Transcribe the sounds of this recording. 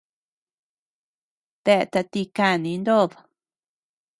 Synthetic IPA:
t̪e˧ʔt̪a˧t̪i˧ka˦˧˨nĩ˧˦nd̪o˦ð

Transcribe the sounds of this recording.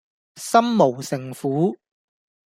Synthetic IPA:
sɐ˥mmo˨˩wsɪ˨ŋfuː˨˥

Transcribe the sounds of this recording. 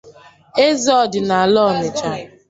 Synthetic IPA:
e˦zɔ˦dɪ˨na˨a˨lɔ˦˨ne˨t͡ʃa˦

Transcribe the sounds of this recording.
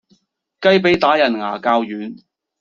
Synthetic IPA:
kɐ˥jp̬e˨˥jt̪aː˨˥jɐ˨˩nŋaː˨˩kaː˧wjyː˨˥n

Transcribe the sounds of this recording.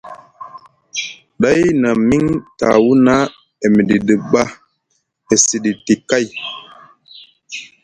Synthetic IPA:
ɗa˦jna˨mi˦ŋta̰˨wu˦na˦ | e˨m˨di˨ɗə˨ɓa˦ | e˨si˨ɗi˨ti˨ka˦˨j

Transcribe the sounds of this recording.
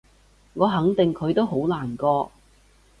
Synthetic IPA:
ŋɔː˨˧ɦɐ˨˥ŋt̪ɪ˨ŋkʰɵ˨˧t̪o˥wɦo˨˥wlaː˨˩nkɔː˧

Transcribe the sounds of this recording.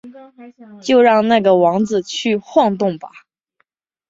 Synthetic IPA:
t͡ɕjo˥˧ʊɻɑ˥˧ŋna˥˩ɡə˩wɑ˧˥ŋd͡zɹ̩˧t͡ɕʰy˥˧xwɑ˥˧ŋt̪ʊ˥˩ŋbɐ˩

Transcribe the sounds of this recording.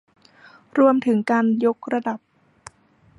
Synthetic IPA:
ɾu˧əmt̪ʰɯ˩˦ŋkaː˧njo˦˥k̚ɾa˧da˨˩p̚

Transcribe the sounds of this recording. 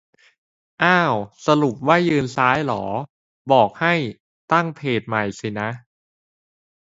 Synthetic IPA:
ʔaː˥˩wsa˧lu˨˩p̚waː˥˩jːɯː˧nsaː˦˥jlɔː˩˦ | bɔː˨˩k̚ha˥˩j | t̪a˥˩ŋpʰeː˨˩t̪̚ma˨˩jsi˨˩na˦˥ʔ

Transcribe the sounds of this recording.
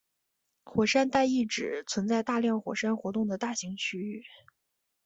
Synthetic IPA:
xwɔ˨˩ʂa˥nt̪a˥˧ɪi˥˩ʈ͡ʂɻ̩˨˩˦t͡sʰwə˧˥nt͡sa˥˧ɪt̪a˥˧ljɑ˥˩ŋxwɔ˨˩ʂa˥nxwɔ˧˥t̪ʊ˥˩ŋd̪ə˩t̪a˥˩ɕi˧˥ŋt͡ɕʰy˥y˥˩

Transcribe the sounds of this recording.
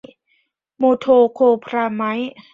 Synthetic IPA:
moː˧t̪ʰoː˧kʰoː˧pʰɾaː˧ma˦˥j

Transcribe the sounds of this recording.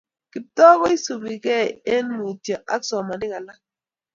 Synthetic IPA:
kɪ˨p̚tɔ˦kɔ˦i˦su˨bi˨kɛ˦˨e˦nmi˨tjɔ˨ʔa˦ksɔ˨ma˨nɪ˦ka˨la˦

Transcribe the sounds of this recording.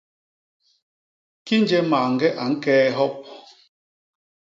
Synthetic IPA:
ki˦n˦d͡ʒɛ˦maː˨ŋ̩˨ɡɛ˦ʔa˨ŋ̩˦kɛː˦ɦɔ˦p̚

